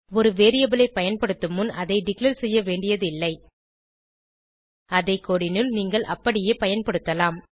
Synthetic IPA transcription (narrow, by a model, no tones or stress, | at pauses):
ɔɾɯʋeːɾɪjɐbɪlɐɪpːɐjɐnpɐɽɯt̪ːɯmɯnɐðɐɪɖɪklɐɾsɛjːɐʋeːɳɖɪjɐðɯɪlːɐɪ | ɐðɐɪkːoɽɪnɯlniːŋɡɐɭʔɐpːɐɽɪjeːpɐjɐnpɐɽɯt̪ːɐlaːm